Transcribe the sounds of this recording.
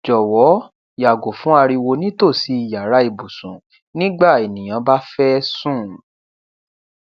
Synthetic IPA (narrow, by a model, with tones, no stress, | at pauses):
d͡ʒɔ˨wɔ˨˦ | ja˨ɡo˨fũ˨˦a˧ɾi˧wo˧nĩ˦to˦˨si˨˦i˨ja˨ɾa˨˦i˦˨bu˨sũ˨ | nĩ˦ɡ͡ba˦˨e˨nĩ˨j̃ã˨˧ba˦fɛ˦sũ˦˨